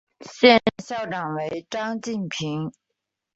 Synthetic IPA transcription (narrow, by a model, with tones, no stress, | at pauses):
ɕjɛ˥˧nɕjɑ˥˩ʊʈ͡ʂɑ˨˩ŋwe˧˥ɪʈ͡ʂɑ˥ŋt͡ɕi˥˩npʰi˧˥ŋ